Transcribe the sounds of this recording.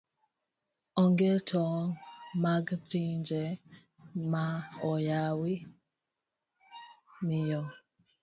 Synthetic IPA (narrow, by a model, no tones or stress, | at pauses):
ɔŋɡetʰɔmaɡpiɲd͡ʒɛ | maɔjawi | mijɔ